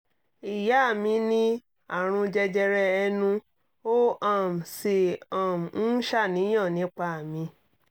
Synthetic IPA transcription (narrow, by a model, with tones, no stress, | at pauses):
i˨ja˨˦a˦˨mĩ˧nĩ˦ | a˦˨ɾ̃ũ˧d͡ʒɛ˧d͡ʒɛ˧ɾɛ˧ɛ˧nũ˧ | o˦ã˦˨m̩˨si˨ã˨m̩˨n̩˦ʃa˦˨nĩ˨˦j̃ɔ̃˦˨nĩ˨˦k͡pa˦a˨mĩ˧